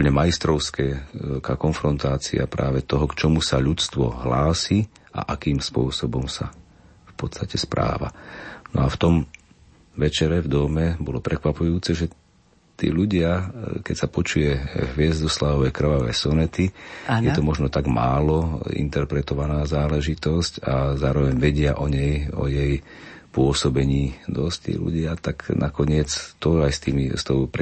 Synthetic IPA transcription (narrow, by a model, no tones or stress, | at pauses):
uplɲɛmaist̪ɾɔʊskɛkakɔnfɾɔnt̪aːt͡sḭa̰pɾa̰ːʋɛt̪ɔɦɔkt͡ʃɔmusaʎut͡st̪ʋɔ̰ɦlaːsiː | a̰ʔakiːmspʊɔsɔbɔmsa̰ | fpɔt̪t͡sst̪acɛspɾa̰ːʋa̰nɔ̰aft̪ɔm | ʋɛt͡ʃɛɾɛvd̪ɔmɛbɔlɔpɾɛkʋapujuːt͡sɛʒɛ | t̪ḭːʎuɟɪakɛcsapɔt͡ʃujɛɦʋɪɛzd̪ɔslaːɔʋɛjkr̩ʋaʋɛ̰ːsɔnɛt̪iajɛt̪ɔmɔʒnɔt̪aɡmaːlɔḭnt̪ɛɾpɾɛt̪ɔʋanaːzaːlɛʒit̪ɔscazaːɾɔʋɛɲʋɛɟɪaʔɔɲɛjɔ̰jɛj | pʊɔsɔbɛɲiːd̪ɔsct̪ḭːlṵɟɪat̪aɡnʔakɔɲɪɛt͡st̪ɔajst̪iːmist̪ɔʊpɾ